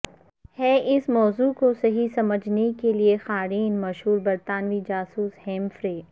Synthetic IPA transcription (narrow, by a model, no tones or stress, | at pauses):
hɛːʔɪsmɔːzukosɐɦisɐməd͡ʒʱnekeliexaːɾiːnmɐʃɦuːɾbɐɾt̪aːnʋid͡ʒaːsuːshɛ̃ːmfɾeː